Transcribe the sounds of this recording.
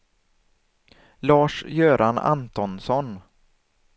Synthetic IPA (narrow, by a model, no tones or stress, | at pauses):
lɑːʂjøːɾana̰nt̪ɔnsɔn